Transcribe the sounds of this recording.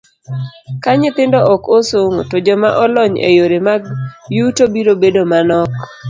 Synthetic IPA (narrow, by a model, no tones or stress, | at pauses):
kaɲɪt̪ɪndɔʔɔkosoŋotod͡ʒɔmaʔɔlɔɲḛjoɾemaɡjutobiɾobedomanɔk